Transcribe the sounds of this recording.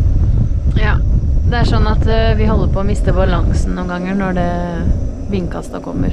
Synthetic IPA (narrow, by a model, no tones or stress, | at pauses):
jɑːd̪ɛæʂɔnːɑt̪ʋɪɦɔlːəɾpʰɔːmɪst̪əbɑlɑŋsn̩nuːnɡɑŋːənɔɖɛ | ʋɪŋkɑst̪ɑkʰɔmːə̰ɾ